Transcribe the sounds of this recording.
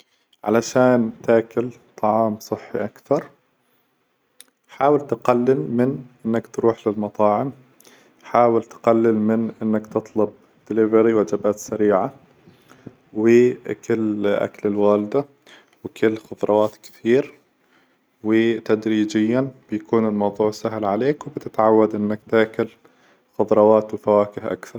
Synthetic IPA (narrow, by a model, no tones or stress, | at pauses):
ʕa̰laʃaːnt̪aːkʊlt̪ˤɑʕɑːmsˤɨħːḭʔakθɑɾˤ | ħaːwɪlt̪ɪqalːɪlmɪnʔɪnːakt̪ɾuːħlɪlmɑt̪ˤɑːʕɪm | ħaːwɪlt̪ɪ̥qalːɪlmɪnʔɪnːakt̪ɨt̪ˤlʊb̚ | d̪̥ɪlɪvɾiwad͡ʒabaːt̪saɾiːʕa | wɪkɪlːʔa̰klɪlwaːlɪd̪a | wɪkʰɪlːxʊðˤɾˤɑwaːt̪kɪ̥t̪iːɾ | wɪt̪ad̪ɾiːd͡ʒɪjːab̥jakuːnɪlmɑwðˤuːʕsaɦlʕaleːkwbɪt̪ɪt̪ʕawːad̪ʔɪnːakt̪ɪʕkʊl | xʊðˤɾˤɑwaːt̪wɪfawaːkɪhʔa̰kθɑɾˤ